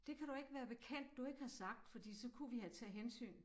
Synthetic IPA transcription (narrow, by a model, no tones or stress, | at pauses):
d̥e̝kʰæɾ̥ue̝ɡ̥əʋæːɐb̥e̝kʰæn̰d̥ːue̝ɡ̥əhɑ̈sɑ̈ɡ̥̚d̥fɒ̽d̥ḭːsɒ̽kʰuʋihæt͡sʰɛɦensy̰ːn